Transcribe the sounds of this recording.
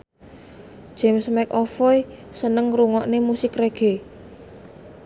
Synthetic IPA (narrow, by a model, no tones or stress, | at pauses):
ʒ̥ɛmsmɛkɔfɔjsənəŋruŋɔʔnemusɪkreɡ̥e̤